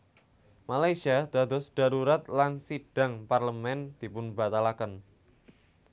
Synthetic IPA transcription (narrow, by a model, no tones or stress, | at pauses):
malajsiad̪̥a̤d̪ɔ̤sd̥a̤ɾuɾat̪lansiɖ̥a̤ŋparləmɛnd̪̥i̤pʊnba̤t̪alakən